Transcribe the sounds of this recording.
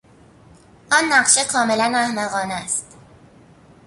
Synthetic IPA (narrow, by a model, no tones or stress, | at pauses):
ʔɒːnːæɢʃekʰɒːme̞lænæhmæɣɒːnæst̪